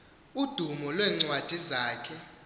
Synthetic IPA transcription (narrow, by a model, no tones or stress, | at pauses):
ud̥ʱumɔlwɛːŋ͡ǀwad̥ʱizaːkʰɛ